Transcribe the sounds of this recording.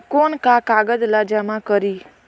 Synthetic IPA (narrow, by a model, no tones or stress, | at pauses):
konkakaɡəd̪lad͡ʒamãkəɾiː